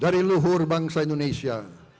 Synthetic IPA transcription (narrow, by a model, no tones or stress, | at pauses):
daɾiluɦʊrbaŋsaindonesia